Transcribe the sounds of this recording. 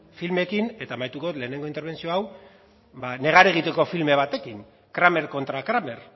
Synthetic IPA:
filme̞kine̞t̪aːmajt̪ukole̞ːne̞ŋɡoint̪eɾβ̞e̞nt͡sio̞aw | bane̞ɣ̞aɾe̞ɣ̞it̪e̞ko̞filme̞β̞at̪e̞kin | kɾame̞ɾko̞nt̪ɾakɾame̞ɾ

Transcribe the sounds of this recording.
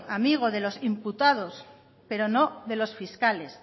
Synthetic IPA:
amiɣ̞o̞ðe̞lo̞simput̪að̞o̞s | pe̞ɾo̞no̞ðe̞lo̞sfiskale̞s

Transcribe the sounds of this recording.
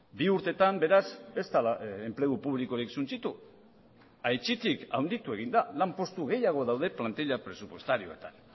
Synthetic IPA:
biuɾt̪e̞t̪ambe̞ɾase̞st̪alaemple̞ɣupuβ̞liko̞ɾiksunt͡sit̪u | ajt͡ʃit̪ika̰wnd̪it̪ue̞ɣind̪alampo̞st̪uɣe̞jaɣ̞o̞ðawðe̞plant̪eʎapɾe̞supwo̞st̪aɾio̞̰e̞t̪an

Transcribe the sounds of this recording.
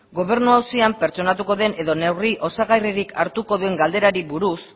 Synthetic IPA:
ɡo̞β̞e̞ɾnuawsiampe̞ɾt͡ʃo̞nat̪̬uko̞ðe̞nʔe̞ðo̞ne̞wriʔo̞saɣajriɾikʰaɾt̪uko̞ðue̞ŋɡald̪e̞ɾaɾiβuɾus

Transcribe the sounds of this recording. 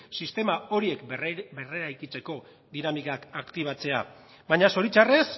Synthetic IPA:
sist̪e̞mao̞ɾie̞kbe̞re̞ɾajkit͡se̞ko̞ | ðinamikakakt̪iβ̞at͡se̞a̰ | βaɲaso̞ɾit͡ʃare̞s

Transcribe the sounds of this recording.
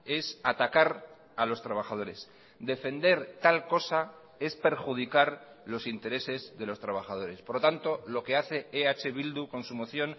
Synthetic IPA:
e̞sat̪akaɾ | alo̞st̪ɾaβaχað̞o̞ɾe̞s | d̪e̞fe̞nd̪e̞ɾt̪alko̞sa | e̞spe̞ɾxuð̞ikaɾ | lo̞sint̪e̞ɾe̞se̞zðe̞lo̞st̪ɾaβ̞aχað̞o̞ɾe̞spoɾlot̪ant̪o̞lo̞keaθe̞eat͡ʃe̞βild̪uko̞nsumoθjo̞n

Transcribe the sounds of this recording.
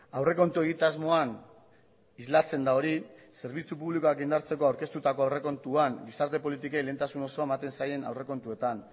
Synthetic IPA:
awre̞ko̞nt̪ue̞ɣit̪azmo̞an | izlat͡se̞nd̪ao̞ɾise̞ɾβit͡supuβlikoakind̪aɾt͡se̞ko̞awɾke̞st̪ut̪ako̞awre̞ko̞nt̪uaŋɡisaɾt̪e̞po̞lit̪ikejle̞nt̪asuno̞so̞aemat̪e̞nsaje̞na̰wre̞ko̞nt̪ue̞t̪an

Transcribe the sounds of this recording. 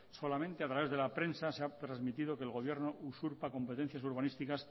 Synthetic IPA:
so̞lament̪e̞at̪ɾaβe̞zðelapɾe̞nsaseat̪ɾazmit̪ið̞o̞keːlɣo̞β̞je̞ɾno̞ʔusuɾpako̞mpet̪e̞n̟θjasuɾβanist̪ikas

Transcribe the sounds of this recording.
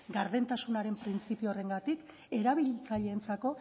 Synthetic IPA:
ɡaɾðe̞nt̪asunaɾe̞mpɾint͡sipiore̞ŋɡat̪ik | e̞ɾaβ̞iʎit͡saʎe̞ːnt͡sako̞

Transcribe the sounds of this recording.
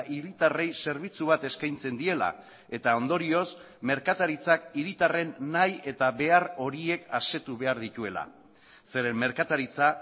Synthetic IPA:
ʔiɾit̪are̞jse̞ɾβ̞it͡suβ̞at̪e̞skajnt͡se̞nd̪ie̞la̰ | e̞t̪ao̞nd̪o̞ɾio̞s | me̞ɾkat̪aɾit͡sakiɾit̪are̞nːaje̞t̪aβe̞aro̞ɾie̞kase̞t̪uβe̞aɾðit̪ue̞la̰ | se̞ɾe̞mːe̞ɾkat̪aɾit͡sa

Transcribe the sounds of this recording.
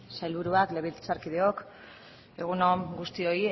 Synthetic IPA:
sajlβuɾuakle̞βilt͡saɾkið̞eo̞k | e̞ɣ̞unomɡust̪io̞i

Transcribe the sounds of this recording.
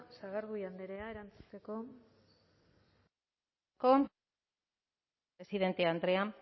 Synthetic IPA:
saɣaɾɣujand̪eɾe̞ae̞ɾant͡su̥t͡s̪e̞ko̞ | kom | esiðe̞nt̪eand̪ɾe̞am

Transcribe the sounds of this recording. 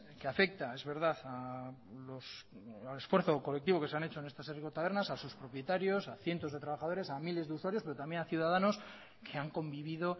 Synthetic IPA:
keafe̞k̚t̪ae̞zβe̞ɾðaθalosale̞sfwe̞ɾθo̞ko̞lek̚t̪iβo̞ke̞seanet͡ʃo̞enest̪aserikot̪aβe̞ɾnasasuspɾo̞pje̞t̪aɾjo̞saθje̞nt̪o̞zð̞e̞t̪ɾaβaxað̞o̞ɾe̞samile̞zðeuswaɾjo̞spe̞ɾo̞t̪amje̞naθjuðaðano̞s | kʰe̞aŋko̞mbiβið̞o̞

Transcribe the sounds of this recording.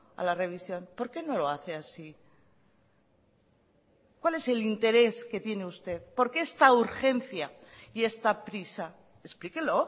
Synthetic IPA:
a̰lare̞β̞isjo̞npo̞ɾke̞no̞lo̞aθe̞asi | kwale̞se̞lint̪e̞ɾe̞ske̞t̪je̞neust̪e̞θpo̞ɾke̞est̪auɾxe̞n̟θja | ie̞st̪apɾisa | esplikelo̞

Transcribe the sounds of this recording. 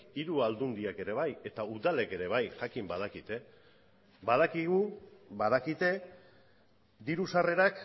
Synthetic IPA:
iɾuald̪und̪iake̞ɾe̞β̞aje̞t̪auðale̞ke̞ɾe̞β̞ajʝakimbað̞akit̪e̞ | bað̞akiɣuβaðakit̪e̞ | d̪iɾusare̞ɾak

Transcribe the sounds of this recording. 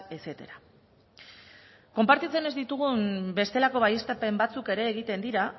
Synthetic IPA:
ese̞t̪eɾa | ko̞mpaɾt̪it͡se̞ne̞zd̪it̪uɣ̞umbe̞st̪e̞lako̞βajest̪ape̞mbat͡suke̞ɾe̞ːɣ̞it̪e̞nd̪iɾa

